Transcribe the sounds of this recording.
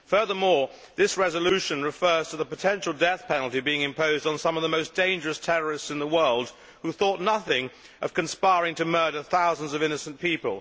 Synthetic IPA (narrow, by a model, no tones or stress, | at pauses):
fɜ˞ðə˞mɔɹ | ðɪsɹɛzəlʉʃɨ̃nɹɨfɜ˞z̥tʰəðəpɨtʰɛ̃nʃl̩ˠdɛθpʰɛnl̩ˠtibiɪ̃ŋɨ̃mpʰoʊzdn̩sʌ̃mʌvðəmoʊsd̥ẽɪ̃nd͡ʒə˞ɨstʰɛɹə˞ɨstsɨ̃nðəwɜ˞lˠd̥̚ | huθɔtⁿnʌθɪ̃ŋ | ʔʌv̥kɨ̃nspaɪɹɪ̃ŋtʰɨmɜ˞ɾə˞θaʊzə̃n̩zʌvɪ̃nɨsn̩pipə̰lˠ